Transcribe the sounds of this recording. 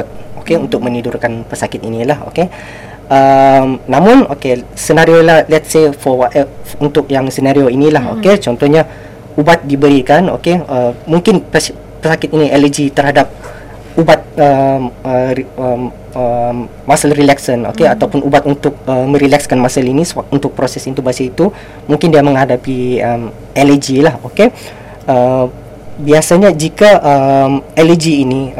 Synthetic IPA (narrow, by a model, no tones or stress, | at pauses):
okeunt̪ʊk̚mə̃nidʊrkanpəsakɪt̪inĩlaho̰ke | ʔəmnãmʊ̃no̰kesənaɾiolahlɛt̪sefɔwaɛunt̪ʊk̚jaŋsənaɾioinĩlaho̰ket͡ʃɔnt̪ɔhɲa | ubat̪̚dibəɾikano̰keəmuŋkɪnpə | pəsakɪt̪̚inĩʔɛləd͡ʒit̪ərhɦadap̚ | ubat̪̚əməəm | əmːasəlrilɛksəno̰keat̪awpʊnʔubat̪unt̪ʊk̚əmə̃ɾilɛkskanmasəlinisunt̪ʊk̚pɾosɛsint̪ubasait̪u | muŋkɪndiamə̃ŋɦadapiəm | ɛləd͡ʒilahoke | ə | biasaɲad͡ʒikaʔəmɛləd͡ʒiːni